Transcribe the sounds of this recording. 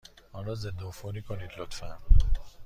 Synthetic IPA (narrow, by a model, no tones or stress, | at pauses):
ɔnɾɔzed̪ofoɾiːkʰoniːd̪lot̪fæno